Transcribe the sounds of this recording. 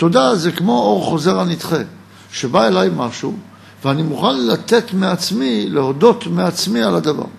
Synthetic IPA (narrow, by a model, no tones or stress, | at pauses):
t̪o̞dazekmo̞o̞ʁχo̞ze̞ʁanit̪χe | ʃe̞bae̞lajmaʃu | veanimuχanlat̪e̞t̪meat͡smileho̞do̞t̪meat͡smialad̪ava̰ʁ